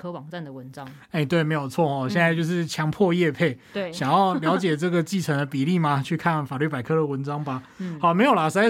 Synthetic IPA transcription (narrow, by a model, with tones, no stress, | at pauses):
kʰɤ˥wɑ˨˩ŋʈ͡ʂa˥˩nd̪ə˩wə˧˦nʈ͡ʂɑ˦ | e˥˩ɪt̪we˥˩ɪme˧˥ɪjo˨˩ʊt͡sʰwɔ˥˩ɔ˨˩ɕjɛ˥˧nt͡sa˥˧ɪt͡ɕjo˥˧ʊʂɻ̩˥˩t͡ɕʰjɑ˧˥ŋpʰwɔ˥˧jɛ˥˧pʰe˥˩ɪ˥˩ɕjɑ˨˩ŋjɑ˥˩ʊljɑ˧˥ʊt͡ɕjɛ˨˩ʈ͡ʂɤ˥˩ɡə˩t͡ɕi˥˩ʈ͡ʂʰə˧˥ŋd̪ə˧pi˨˩li˥˩ma˨t͡ɕʰy˥˧kʰa˥˨nfa˨˩ly˥˩pa˨˩ɪkʰɤ˧˥d̪ə˨wə˧˦nʈ͡ʂɑ˥ŋba˨ | xa˨˦ʊme˧˥ɪjo˨˩la˨˦ʂ̩˧˥a˥